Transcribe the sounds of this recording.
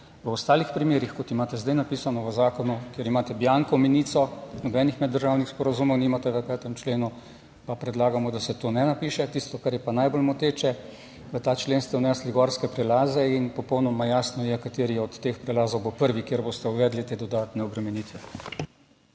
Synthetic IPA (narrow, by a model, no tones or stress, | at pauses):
ʋəɔst̪aːlixpɾimeːɾixkɔt̪imaːt̪ɛzd̪ajnapiːsanɔʋəzaːkɔnukjeɾimaːt̪ɛbjaŋkɔminit̪sɔnɔbɛːnixmɛd̪dːəɾʒawnixspɔɾazumɔwniːmat̪ɛʋəpɛːt̪ɛmt͡ʃleːnu | papɾɛd̪laːɡamɔd̪asɛt̪oːnɛnapiːʃɛt̪ist̪ɔkaɾjɛpanajbolmɔt̪eːt͡ʃɛ | ʋət̪aːt͡ʃleːnst̪ɛwnɛsliɡɔɾskɛpɾɛlaːzɛinpɔpɔwnɔmajaːsnɔjɛkat̪eːɾijɛɔt̪ːeːxpɾɛlaːzowbopəɾʋikjeːɾboːst̪ɛuʋɛːd̪lit̪eːd̪ɔd̪aːt̪nɛɔbɾɛmɛniːt̪ʋɛ